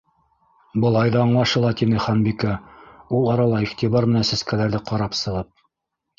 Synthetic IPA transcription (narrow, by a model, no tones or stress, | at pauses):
bɤ̆lˠɑjðɑɑɴlˠɑʃɤlˠɑt̪inɘχɑnbikæulˠɑɾɑlˠɑiχt̪iβɑɾmɘ̆nænsæskælæɾðɘqɑɾɑpsɤ̆ʁɤp̚